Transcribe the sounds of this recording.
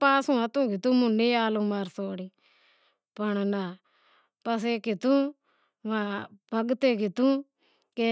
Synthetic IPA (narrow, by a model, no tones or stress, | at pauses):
paːsũːət̪ũːkɪt̪ũːmʊ̃neːaːlõːmaːɾsoːɽiː | pəɳna | pəs̬eːkɪt̪ũː | ʋaːbʱəɡt̪eːkɪt̪ũː | keː